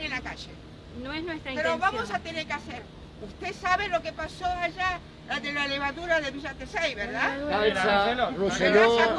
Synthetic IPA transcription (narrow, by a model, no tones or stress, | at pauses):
enlakaʒe | noesnwest̪ɾaipeɾoβamosat̪eneɾkeaseɾ | ust̪esaβelo̞kepasoaʒa | ðelaleβaðuɾaðeβiʒat̪esejβeɾðaasaselorosejoa